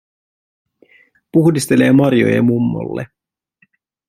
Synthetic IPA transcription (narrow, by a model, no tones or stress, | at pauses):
puhdist̪e̞le̞ːmɑɾjo̞̰jḛmumːo̰lːḛ